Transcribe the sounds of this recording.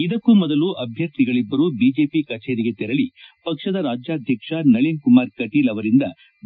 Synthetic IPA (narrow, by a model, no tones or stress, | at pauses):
id̪ɐkːumɔd̪ɐluʔɐbʱjɐɾt̪iɡɐɭibːɐɾubiːd͡ʒe̞ːpikɐt͡ʃeːɾiɡet̪ɛɾɐɭipɐkʂɐd̪ɐɾaːd͡ʒjaːd̪ʱjɐkʂɐnɐɭinkumaːɾkɐʈiːlɐʋɐɾind̪ɐ